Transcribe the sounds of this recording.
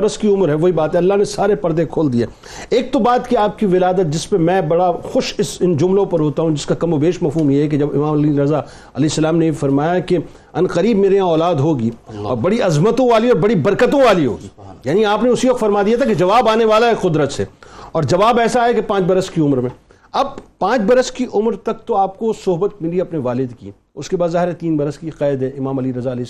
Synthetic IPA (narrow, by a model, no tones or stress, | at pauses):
ɾəskiʊmɾɦɛʋoːibaːt̪ɦɛɐlːaɦnesaːɾepɐɾd̪ẽkʰoːld̪ieː | eːk̚t̪obaːt̪kiaːp̚kiʋɪlaːd̪ət̪̚d͡ʒɪspemɛ̃ːbɐɽaxʊʃɪsɪnd͡ʒʊmlõpɐɾɦoːt̪aɦũd͡ʒɪskakɐmobeːʃmɐfuːmjeɦɛk̬ed͡ʒɐbɪ̰maːmɐliːnɾɐza | ɐleːsːɐlaːmnefɐɾmaːjake | ɐnqəɾiːbmeːɾeãɔːlaːd̪ɦoːɡiːɔːɾbɐɽiɐzmət̪õʋaːliɔːɾbɐɽibɐɾkət̪õʋaːliɦo̰ːɡiːjaːniaːpneʊsiʋɐq̚t̪fɐɾmad̪ijat̪ʰaked͡ʒɐʋaːbaːneʋaːlaeqʊd̪ɾət̪sḛːɔːɾd͡ʒɐʋaːbɛːsaɦɛkepãːt͡ʃbɐɾəskiʊmɾmẽ | ɐbpãːt͡ʃbɐɾəskiʔʊmɾt̪ɐk̚t̪oaːp̚kosʊɦbət̪̚mɪliɐpneʋaːlɪd̪kḭ | ʊskebaːd̪zaːɦɪɾet̪iːnbɐɾəskiqɛːd̪ɦɛɪmaːmɐliɾɐzaɐle